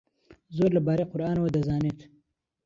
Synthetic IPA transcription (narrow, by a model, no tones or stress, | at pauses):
zoɾlabɑːɾeqʊɾɑːnwad̪azɑːnit̪